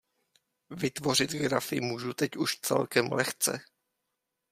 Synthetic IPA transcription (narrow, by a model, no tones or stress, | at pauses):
vɪt̪vo̞r̝ɪt̪ɡɾafɪmuːʒut̪ɛcuʃt͡sɛ̰lkɛmlɛxt͡sɛ̰